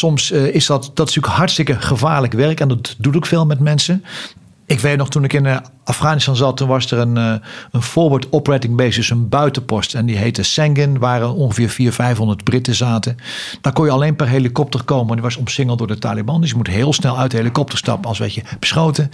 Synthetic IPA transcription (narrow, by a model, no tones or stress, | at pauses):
sɔmsɪsdɑtd̥ɑtɪ̥stykɦhɑɹtstɪkəχəvaːɹləkʋɛrkɛndɑtdutokfeːlˠmɛtmɛnsə | ʔɪkʋejt̚nɔχtunɪkɪnafχaːnɪstɑnzɑtːunʋɑsərənənv̥ʊːɹʋoːɹtɔprɛtɪŋbejsʏsənbœɥtəpɔstɛndiɦejtəsɛŋɡənʋaːɾəɔnχəvɪːɹfiːɹfɛjfɦɔndəɹdbrɪtəzaːtə | d̥aːɹkɔnjəɑlejnpɛrɦelikɔp̚tərkowməɛnjəʋɑsɔmsɪŋəlˠdʊːɹdəta̰ːlibɑndɵs̬jəmutɦɪːlˠsnɛlˠœɥtdəɦelikɔp̚təɹstɑ̰pənɑlˠsʋḛcəb̥ə̥sχowtə